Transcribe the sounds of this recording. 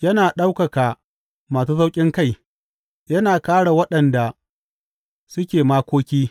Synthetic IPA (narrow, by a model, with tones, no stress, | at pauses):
jɐ˦naː˨ɗa˦wkɐ˨kaː˨ | maː˨suː˦sa˦wkʲʼɪ˦ŋka˦˨j | jɐ˦naː˨kaː˦ɽa˨wɐ˦ɗɐ˨nda˨ | sʊ˦kʲeː˨maː˦kʷoː˦kʲiː˦